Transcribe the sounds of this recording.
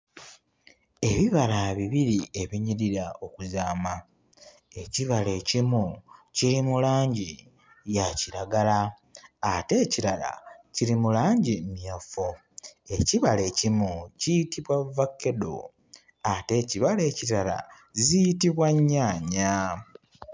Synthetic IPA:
e̞βiβalaβiβiɾie̞βiɲiɾiɾao̞kuzaːma | e̞ciβale̞ːcimuciɾimulaːɲɟi | jaciɾaɡalaː | te̞ːciɾala̰ciɾimulaːɲɟimjafo | e̞ciβale̞ːcimucitiβwavːakːe̞do̰ | ate̞ciβale̞ːciɾala̰ | zijitiβwaɲːaːɲa

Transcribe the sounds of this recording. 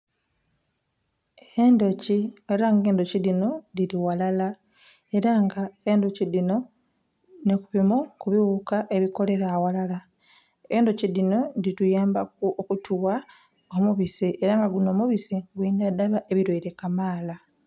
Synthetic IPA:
endo̞cieɾaŋɡe̞ːndo̞cidino̞diɾiwalala | e̞ɾaŋɡae̞ːndocidino̞ | nekuβimukuβiwuːkaʔe̞βiko̞le̞ɾawalala | eːndo̞ciðino̞ditujaːmbakuokutuwa | o̞muβiseʔeɾaŋɡaɡuno̞ːmuβiseɡwiːndadaβaʔe̞βiɾweːɾe̞kamaːla

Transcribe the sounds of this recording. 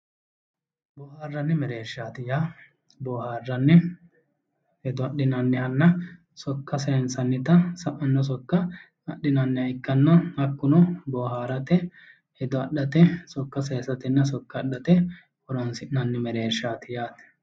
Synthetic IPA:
bɔːhaːrːɐnːɪmɛɾeːʃːaːt̪ɪjaː | bɔːhaːrːɐnːɛ | hɛd̪ɔɐɗːɪnɐnːɪhɐnːɐ | sɔkːɐseːnsɐnːɪt̪ɐsɐʔɐnːɔs̬ɔkːɐ | ɐɗːɪnɐnːɪhɐɪkːɐnːɐhɐkːʊnɔbɔːɦaːɾɐt̪ɛ | hɛd̪ɔɐɗːɐt̪ɛsɔkːɐs̬eːnsɐt̪ɪnːɐs̬ɔkːɐːɗːɐt̪ɛ | hʊɾɔnsɪnːɐnːɪmɛɾeːʃaːt̪ɪjaːt̪

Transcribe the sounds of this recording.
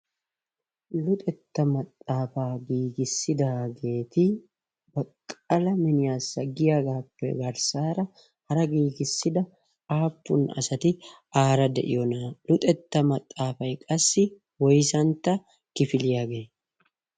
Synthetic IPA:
lʊt̪ʼɛt̪ːɐmɐt̪ʼːaːfaːɡiːɡɪsːɪd̪aːɡe̞ːt̪ɪ | bɐkʼːɐlɐmɪnɪjaːsːɐɡɪjaɡaːpːɛ̰ɡɐɾsaːɾɐ | hɐɾɐɡiːɡɪsːɪd̪ɐ | aːpːʊnɐ̰sɐt̪ɪ | aːɾɐd̪ɛ̰ʔɪ̰jɔnalʊt̪ʼɛt̪ːɐmɐt̪ʼːaːfɐjkʼɐsːɪ | wɔjsɐnt̪ːɐ | kɪfɪlɪjaːɡeː

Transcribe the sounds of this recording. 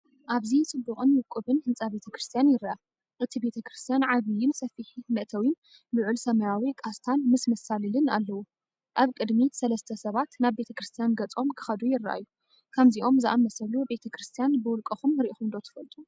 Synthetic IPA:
ʔaβzit͡sʼɨbːuχʼɨnwɨkʼuβɨnhɨnt͡sʼabe̞t̪ʰɐkɾɨst̪ʰijanjɪɾːaa | ʔɨt̪ʰibe̞t̪ʰɐkɾɨst̪ʰijanʕaβijɪnsɐfiħinɨʔt̪ʰɐwin | lɨʕulsɐmɐjawikʼast̪ʰanmɨsmɐsalilɨnalːɐwu | ʔaβkʼɨd̪misɐlɐst̪ʰɐsɐβat̪naβbe̞t̪ʰɐkɾɨst̪ʰijanɡɐt͡sʼo̞mkʰɨ̥xɐd̪ujɪra̰ʔa̰jːu | kʰɐmziʔo̞mzɨʔamɐsɐlube̞t̪ʰɐkɾɨst̪ʰijanbɨwʊlkʼɐxumɨɾʔixumnd̪o̞t̪ʰɐ̥fɐlt̪ʼu

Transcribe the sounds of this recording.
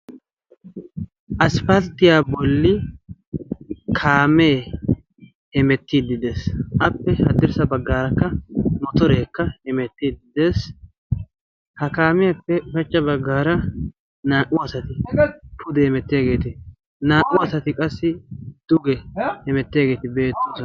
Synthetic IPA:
ʔɐspɐlt̪ːɪjaːbɔlːɪ | kʰaːme̞ː | hɛmɛt̪ːiːd̪ːɪd̪esɐpːɛhɐd̪ːɪɾsɐbɐɡːaːɾɐkːɐmɔt̪ɔɾe̞ːkːɐhɛmɛt̪ːiːd̪ɪd̪eːs | hɐkaːmɪjɐpːɛfɛt͡ʃːɐbɐɡːaːɾɐ | naːʔʊɐsɐt̪ɪpʰʊd̪ɛhɛmɛt̪ːɪjaːɡe̞ːt̪ɪ | naːʔʊɐsɐt̪ɪkʼɐsːɪd̪̥ʊɡɛhɛmɛt̪ːɪjaːɡe̞ːt̪ɪbe̞ːt̪ːʊsɐ

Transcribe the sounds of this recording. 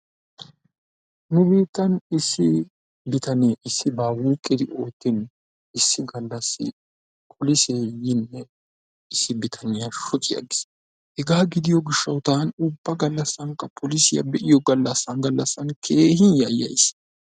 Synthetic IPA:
nʊbiːt̪ːɐnɪsːɪ | bɪt̪ɐnɪʔɪsːɪbaːwuːkʼːɪd̪ɪʔo̞ːt̪ːɪn | ɪsːɪɡɐlːɐsːɪ̰ | pʰɔlɪseːjɪnːɛ | ɪsːɪbɪt̪ʰɐnɪjɐʃɔt͡ʃʼɪja̰ɡɪ̥s | hɛɡaːɡɪd̪ɪjɔɡɪʃːɐwt̪aːnʊbːɐɡɐlːɐsːɐŋkːɐpʰɔlɪsɪjɐ̰bɛʔɪjɔɡɐlːɐsːɐnɡɐlːɐsːɐnkʰeːhɪnjɐjɐ̰js

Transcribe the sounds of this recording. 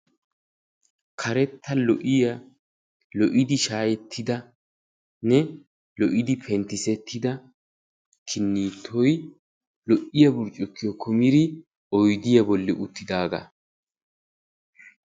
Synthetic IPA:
kʰɐɾɛt̪ʰːɐlɔʔɪjɐ | lɔʔɪd̪ɪʃaːjɛt̪ʰːɪd̪ɐ | nɛ | lɔʔɪd̪ɪpʰɛnt̪ːɪsɛt̪ʰːɪd̪ɐ | kʰɪnːiːt̪ʰːɔj | lɔʔɪjɐbʊɾt͡ʃʼːʊkːɪjɔkʰɔmɪɾɪ | ʔɔjd̪ɪjɐbɔlːɛʔʊt̪ːɪd̪aːɡɐ̰

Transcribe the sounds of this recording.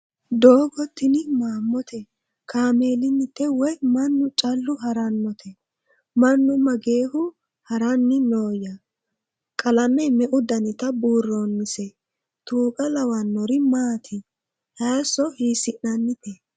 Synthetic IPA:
d̪oːɡɔt̪ːɪnɪmaːmːɔt̪ɛ | kaːmeːlɪnːɪt̪ːɛwɔjmɐnːʊt͡ʃʼɐlːʊɦɐɾɐnːɔt̪ʰɛ | mɐnːʊmɐɡe̞ːhʊ | hɐɾɐnːɪnoːjɐ | kʼɐlɐmɛmɛʔʊd̪ɐnɪt̪ɐbuːrːonːɪsɛ | t̪uːkʼɐlɐwɐnːɔɾɪmaːt̪ʰɪ | hɐːsɔhiːsɪnːɐnːɪt̪ɛ

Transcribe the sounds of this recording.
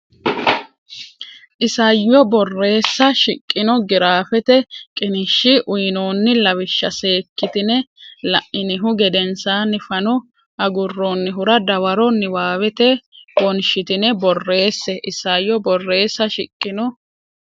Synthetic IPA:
ʔɪsɐjːɔbɔrːe̞ːsːɐʃɪkʼːɪnɔɡɪɾaːfɛt̪ɛkʼɪnɪʃːɪʔʊjnoːnːɪlɐwɪʃːɐse̞ːkːɪt̪ɪnɛlɐʔɪnɪɦʊɡɛd̪ɛnsaːnːɪfɐnɔ | ʔɐɡʊrːonːɪɦʊɾɐd̪ɐwɐɾɔnːɪwaːwɛt̪ɛbɔnʃɪt̪ɪnɛbɔrːe̞ːsːɛʔɪsɐjːɔbɔrːe̞ːsːɐʃɪkʼːɪnɔ

